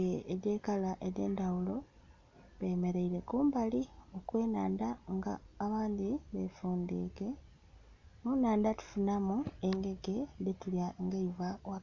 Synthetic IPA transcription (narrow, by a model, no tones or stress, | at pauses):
eɾjeːkalaʔeɾe̞̰ːndawulo̞ | βejme̞ɾe̞iɾe̞kuːmbalio̞kwe̞ːnaːnd̪aŋɡa̰ːβaːnd̪iβefuːnd̪ḭːke̞ | munaːnd̪atu̥funamue̞ŋɡe̞ɡe̞detuljaŋɡeivawa